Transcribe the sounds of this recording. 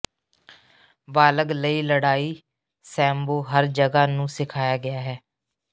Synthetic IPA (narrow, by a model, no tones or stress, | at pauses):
baːləɡləiːləɽaːiː | sɛ̃ːmboːɦəɾd͡ʒəɡaːnũːsɪkʰaːjaːɡɪaːɦɛː